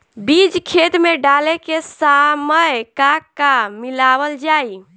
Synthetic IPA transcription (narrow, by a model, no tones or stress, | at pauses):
bid͡ʒkʰet̪meɖalekesaməjkakamilabəld͡ʒai